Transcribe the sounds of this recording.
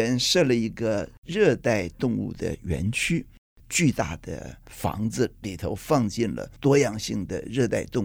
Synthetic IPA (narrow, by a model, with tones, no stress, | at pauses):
ə˧˥nʂɤ˥˩lə˩i˧˥ɡə˧ɻɤ˥˧t̪a˥˧ɪt̪ʊ˥˧ŋṵ˥˩d̪ə̰˩ɥɛ̰˧˥nt͡ɕʰy˥ | t͡ɕy˥˧t̪a̰˥˩d̪̥ə̰˩fɑ̰˧˥ŋd͡zɹ̩˧li˨˩t̪ʰo˧˥ʊfɑ˥˧ŋt͡ɕi˥˩nlə̰˩t̪wɔ˥jɑ˥˩ŋɕi˥˩ŋd̪ə̰˩ɻɤ˥˧t̪a˥˧ɪt̪ʊ˥˧ŋ